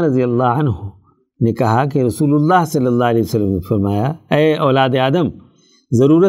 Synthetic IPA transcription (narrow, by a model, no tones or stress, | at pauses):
ɾɐd̪ijɐlːaːɦɐnɦʊ | nekɐɦak̬eɾɐsuːlʊlːaːɦsɐlːɐlːaːɦɐlɛːiʋəsɐlːəmnefɐɾmaːjaɛːɔːlaːd̪eaːd̪əm | zɐɾuːɾə